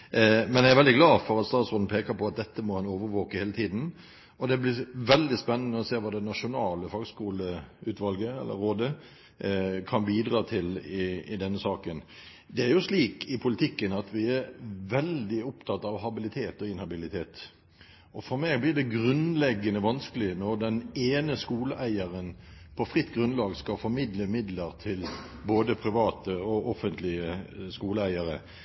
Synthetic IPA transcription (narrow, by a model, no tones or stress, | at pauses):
mɛnjææɾʋɛld̪ɪɡlɑːfɔɾɑt̪st̪ɑːt̪sʁʊnn̩pʰeːkəɾpʰɔɑt̪̚d̪ɛt̪ːəmɔhɛnoːʋəɾʋoːkəheːlət̪ʰiːd̪n̩ | ɔd̪ɛblɪɾʋɛld̪ɪspɛnːənəɔseːʋɑːd̪ɛnɑʂʊnɑːləfɑːɡskuːləʉːt̪ʋɑlɡəɛ̰lːʔə̰ɾːoːd̪ə | kʰɑnbiːd̪ɾɑːt̪ʰɪlɪɪd̪ɛnːəsɑːkən | d̪ɛæɾjʊsliːkʰɪpʰʊlɪt̪ʰɪkːənɑt̪ʰʋɪæɾʋɛld̪ɪʊpt̪ʰɑt̪ːɑʋɦɑbɪlɪt̪ʰeːt̪ɔɪnhɑbɪlɪt̪ʰeːt̪ | ɔfɔɾmæɪɡblɪd̪ɛɡɾʉnlɛɡːənəʋɑnskəlɪnɔɾd̪ɛneːnəskuːləʔæɪəɾənpʰɔfʁɪt̪ːɡɾʉnlɑːɡskɑfɔɾmɪd̪ləmɪd̪ləɾt̪ʰɪlboːd̪əpʰɾɪʋɑːt̪əɔɔfənt̪lɪəskuːləæɪəɾə